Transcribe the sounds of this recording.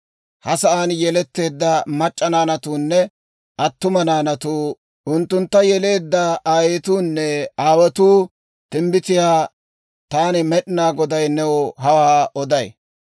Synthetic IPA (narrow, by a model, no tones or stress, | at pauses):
hɐsɐʔanjɛlɛt̪ːe̞ːd̪ːɐmɐt͡ʃʼːɐnaːnɐt̪uːnːɛ | ʔɐt̪ːʊmɐnaːnɐt̪uː | ʔʊnt̪ːʊnt̪ːɐjɛle̞ːd̪ːɐʔaːjeːt̪uːnːɛaːwɛt̪uː | t̪ɪmbɪt̪ɪjaː | t̪aːnɪmɛɗɪnaːɡɔd̪ɐjnɛwɔɦɐwaːʔɔd̪ɐj